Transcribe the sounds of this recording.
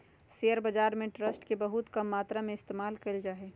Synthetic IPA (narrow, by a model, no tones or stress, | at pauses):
sejəɾbəd͡ʒaːɾmẽʈɾəsʈkebəɦut̪kəmːaːt̪ɾamẽɪst̪eːmaːlkɐld͡ʒaːɦe